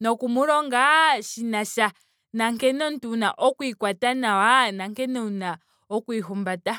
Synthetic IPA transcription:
nɔkumuɾɔŋɡaʃinaʃa | naŋkɛnɔntunaʔɔkuikwatanawanaŋkɛnɔna | ɔkuiɦumbata

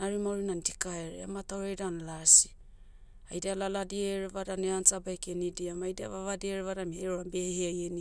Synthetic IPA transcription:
naɾimaoɾinandikaeɾea̰mataoɾejdanalasi̥ | a̰jdialaladieɾevadaneant͡ʃabajkenidiamajdia̰vaβadieɾevadameɾoɾabe̞heajeni

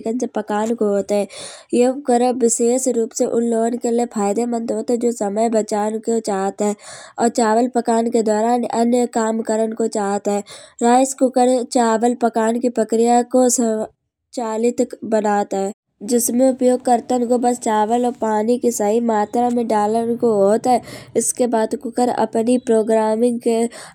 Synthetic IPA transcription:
kənsepəkaːnkoɦoːt̪ɦɛ̃jekəɾəʋɪʃeːʃɾuːpseʔʊnloːənkeliepʰaːjd̪emə̃nt̪ɦoːt̪ɦɛ̃d͡ʒoːsəməjbət͡ʃaːnkot͡ʃaːt̪ɦɛːɔːɾt͡ʃaːʋəlpəkaːnked̪ɔːɾaːnɐ̰njəkaːmkəɾənkot͡ʃaːɦt̪ɦɛːɾaːjskʊkəɾt͡ʃaːʋəlpəkaːnkipɾəkɾɪjakosə | t͡ʃaːlɪt̪bənaːt̪ɦɛː | d͡ʒɪsmẽʊpjoːɡ̚kəɾt̪ənkobəst͡ʃaːʋəlɔːɾpaːnikisəɦimaːt̪ɾamẽɖaːlənkoɦoːt̪ɦɛɪskebaːd̪kʊkəɾə̰pnipɾoːɡɾaːmɪ̃ŋɡke

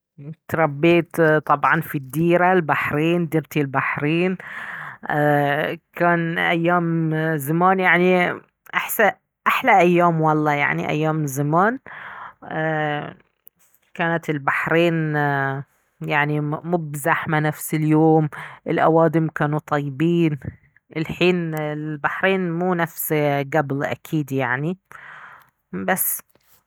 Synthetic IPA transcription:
t̪ɾˤɑbːiːt̪t̪ˤɑbʕɑnfid̪ːiːɾalbaħɾiːnd̪iːɾt̪ilbaħɾiːn | kaːnʔajːaːmzamaːnjaʕni | ʔaħsa | ʔaħlaʔajːaːmwɑlˤːɑːja̰ʕnḭʔa̰jːaːmzamaːnː | kaːnat̪ɪlbaħɾeːn | jaʕnimʊbzaħmanafsɪljoːmʔɪlʔa̰waːd̪ɪmkaːnut̪ˤɑjːɪbiːn | ʔɪlħiːnɪlbaħɾeːnmuːnafsɡablʔa̰kʰiːd̪jaʕni | basː

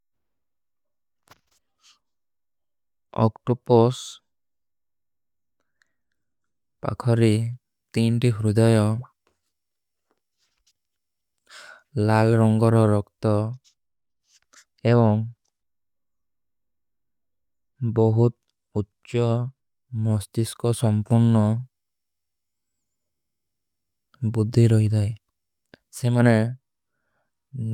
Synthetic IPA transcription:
ɔ̰kʈɔpɔs | pa̰kʰɔɾi | t̪inʈiɦɾud̪ajɔ | lalɾɔŋɡɔɾɔɾɔkt̪ɔ | eβɔŋ | bɔɦut̪̚ | utːʃɔ | mɔst̪iskɔsɔmpuɾnɔ | bud̪ʱːiɾɔɦid̪aj | semane

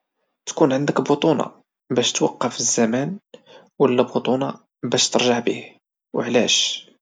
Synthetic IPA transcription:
t̪kunʕənd̪əkbut̪ˤunɑ̰ | bæʃt̪wɑqːɑfizːæmæn | wəlːæbʊt̪ˤunɑ | bæʃt̪əɾˤʒaʕbih | wəʕlæʃ

